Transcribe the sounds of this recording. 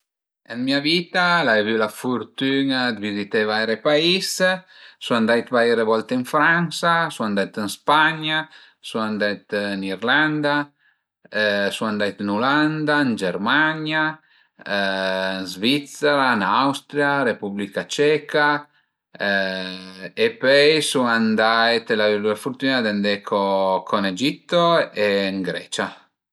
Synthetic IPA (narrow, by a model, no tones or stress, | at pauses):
ənmiavit̪alaevylafuɾt̪yŋad̪vizit̪evajɾepais | suand̪ajt̪vajɾevɔlt̪eənfɾansasuand̪ajt̪ənspaɲa | suand̪ajt̪niɾland̪a | əsuand̪ajt̪nuland̪aənd͡ʒɛɾmaɲja | ənzvit̪seɾanawst̪ɾjaɾepublikat͡ʃɛka | epɛjsuand̪ajt̪laviluɛfuɾt̪unad̪and̪ɛkʰokʰoned͡ʒit̪ːoeŋɡɾɛ̰t͡ʃa